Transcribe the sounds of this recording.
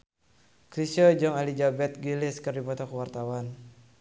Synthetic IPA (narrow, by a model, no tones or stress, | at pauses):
kɾisɔd͡ʒɔŋalid͡ʒabɛt̪̚ɡilɪskɨrdipɔt̪ɔkəwart̪awan